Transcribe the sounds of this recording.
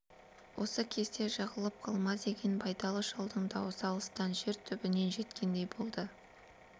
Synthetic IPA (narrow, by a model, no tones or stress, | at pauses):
wʔo̞səkʲʰe̞zt̪e̞ʒɑʁəlˠəp̚qʰɑlˠmɑd̪e̞ɡʲe̞nbɑjt̪ɑlˠəʒɑlˠd̪əɴd̪ɑwosɑlˠəst̪ɑnʒe̞ɾt̪ʰʏbɪne̞nʒe̞t̪kʲe̞nd̪e̞jbo̞lˠd̪ə